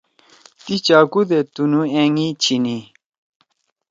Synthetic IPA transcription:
t̪it͡ɕaːkud̪et̪unueŋit͡ɕʰini

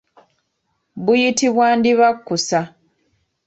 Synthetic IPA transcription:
βujitiβwaːndiβakːusa

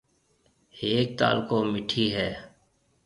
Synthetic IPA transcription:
eːk̚t̪a̰ːlkoːmɪʈʰiːɦɛː

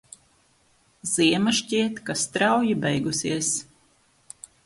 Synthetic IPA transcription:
z̥iɛmaʃcʲiɛt̪kast̪ɾawjibɛjɡusiɛs

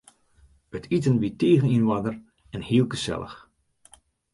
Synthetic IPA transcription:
ətʰitənʋiteːɣəninʋadər | ɛnhiəlˠɡəsɛ̰lˠə̰x

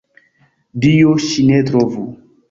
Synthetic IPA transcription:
dijoʃinet̪ɾovu

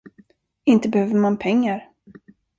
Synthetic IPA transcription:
ɪnt̪əbɛhøːvəɾmanpʰɛŋːaɾ

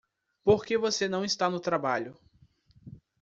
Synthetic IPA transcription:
poɾkevosenɐ̃w̃ist̪anʊt̪ɾabaʎʊ

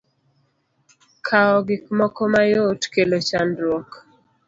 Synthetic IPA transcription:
kʰaɔɡɪkmɔkɔmajotkelot͡ʃanɾwɔk

